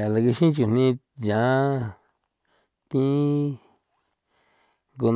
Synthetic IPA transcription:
a˨la˧ki˧ʃĩ˦t͡ʃu˧˨n̥ĩ˧ | jã˨˦ | t̪ĩ˦ | ŋɡo˧n

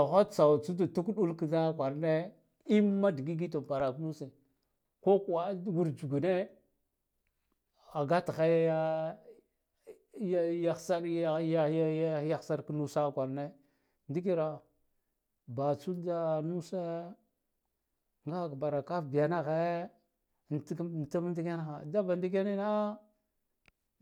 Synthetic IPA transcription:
a˨xa˦˨t͡sa˨wt͡su˦da˨tu˦kɗu˦lki˦za˦kʷa˨ɾne˦ | i˦mːa˦di˨ɡi˦ɡi˦to˨pa˨ɾa˨knu˦se˨ | ko˦ka˦ɡu˦ɾd͡ʒu˨ɡu˨ne˦ | a˨ɡa˦txa˦ja˦ | jja˦xsa˦ɾja˦ja˦xsa˦ɾknu˦sa˦kʷa˨ɾne˦ | ndi˦ki˦ɾa˨ | ba˨t͡su˦lda˦nu˦se˦ | ŋɡa˦˨kba˨ɾa˨ka˦fbi˨ja˨na˦ɣe˦˨ | n˨˦˨ta˦m˦n˦di˦ka˦na˦xa˨da˦ba˨ndi˦ɡe˦ni˦na˦

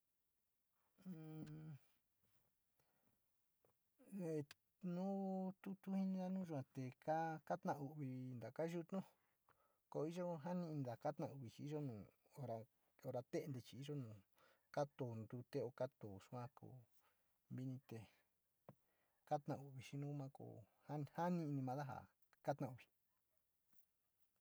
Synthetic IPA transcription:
e˨ | nũ˦t̪u˦t̪u˦hi˦nĩ˦ða˦nũː˦ʒu˧ã˧t̪e˨ka˦ka˦t̪nã˧u˨βi˧nd̪a˨ka˦ʒu˦t̪nũ˦ | ko˧i˦ʒo˦ɦa˦nĩ˧nd̪a˨ka˦t̪nã˧˨u˧βi˨˧t͡ʃi˧i˦ʒo˦nũː˨ | o˧ɾa˧ | o˧ɾa˧t̪e˦˧nd̪e˧t͡ʃi˧i˦ʒo˦nũː˨ | ka˦t̪o˨nd̪u˧t̪e˦o˧ka˦t̪o˨ʂu˧ã˦ko̰˨ | βi˧nĩ˧t̪e˨ | ka˦t̪nã̰˧u˨βi˨˧ʃi˧˦nũ˦mã˦ko̰˧˨ | ha˦˧ha˦nĩ˦˧nĩ˧mã˧ða˦ɦa̰˨ | ka˦t̪nã˧˨u˧βi̥˨

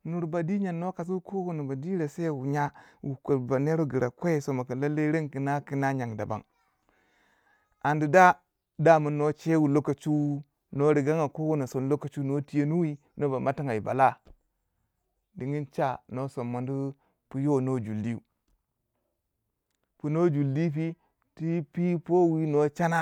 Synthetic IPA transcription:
nu˨ɾba˨di˦ɲa˨nːo˦ka˨s̬u˦ko˦ɡo˦nu˨ba˨di˦ɾe˨se˦˨wu˨ɲa˦wu˨ko˨ba˨ne˦ɾo˦ɡi˨ɾʔa˨ko˦˨so˨ma˨ki˨la˦lːe˦ɾe˦ŋki˨na˦ki˦na˦ɲa˨ŋda̰˨ba̰˨ŋ | a˨ndi˨da˦ | da˦˨mu˨nːo˦t͡ʃe˦wu˨lo˦ka˨t͡ʃu˦ | no˦ɾi˨ɡa˦ŋa˨ko˦wo˦no˨so˨n˦lo˦ka˨t͡ʃu˦no˦ti˦je˦nu˦wi˦ | no˦ba˨ma˦ti˦ŋa˨i˨ba̰˨la˦ | di˨ŋi˦nt͡ʃa˦˨no˦so˨mːa˨ndu˦ | pu˦jo˦no˦d͡ʒu˨lːi˦u˨ | pu˨no˦d͡ʒu˨lːi˦p̬i˦ | ti˦pi˦po˦wi˦no˦t͡ʃa˦na˦

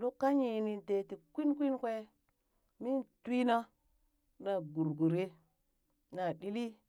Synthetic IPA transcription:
lo˦kːa˦ɲi˨ni˨te˨ti˨kʷi˦nkʷi˦nkʷe˦ | mi˦nti˦na˦ | na˨ɡu˨ɾɡu˨ɾe˦ | na˨ɗi˦li˦

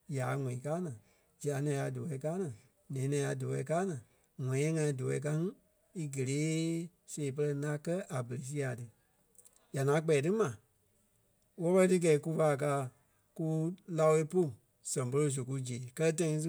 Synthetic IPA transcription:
jaː˨˦ŋɔ̃˨ĩ˨kaː˦nãː˨ | d͡ʒi˨a˨˦nɛ̃˧˨˦a˧do˨wɛ˧˨˦kaː˦nãː˨ | nɛ̃ː˨˦nɛ̃˧˨˦a˧do˨wɛ˧˨˦kaː˦nãː˨ | ŋɔ̃˨˦ɛ̃˦ŋã˧ĩ˧˦do˨ɛ̰˨˦k̬a˦ŋĩ˦ | i˦ɡə˨leː˨˦ | seː˨p̬ɜ˧lɜ˧lã˧˦kɜ˦ʔa˨bə˨ɾe˨s̬i˧˦a˨tɨ˧ | ja˨ŋãː˨˦k͡pɛː˨tɨ˦mã˨ | wɔ˦pə˦ə˦tɨ˦k̬ɛ˨i˦ku˧˦fa˧˨k̬aː˧˦ | ku˦la˧we˦po˦˨ | sɛ̃˨po˧ɾo˧˨s̬o˨k̬u˧d͡ʒeː˨kɜ˦lɜ˦t̬ã˧˦ĩ˧˦s̬

